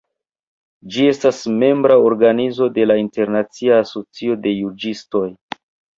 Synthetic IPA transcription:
d͡ʒie̞stasme̞mbɾao̞ɾɡanizo̞de̞lainte̞ɾnat͡siaːso̞t͡sio̞de̞jud͡ʒisto̞j

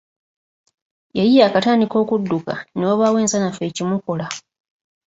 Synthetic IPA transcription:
jajijaːkataːndiko̞ːkudːukaneoβawe̞ːnsanafe̞ːcimuko̞la

